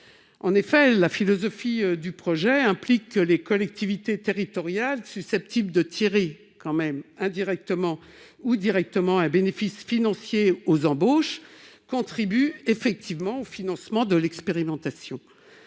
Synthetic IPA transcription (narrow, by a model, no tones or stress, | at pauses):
ɑ̃nefɛlafilɔzɔfid̪ypχɔʒɛɛ̃plikːəlekɔlɛk̚t̪ʰivit̪et̪eʁit̪ɔʁjalsysɛp̚t̪ʰibld̪ət̪ʰiʁe | kɑ̃mɛmɛ̃d̪iʁɛk̚t̪əmɑ̃ | ud̪iʁɛk̚t̪əmɑ̃ɛ̃benefisfinɑ̃sjeozɑ̃boʃkɔ̃t̪χibyefɛk̚t̪ʰivmɑ̃ofinɑ̃smɑ̃d̪əlɛkspeʁimɑ̃t̪asjɔ̰̃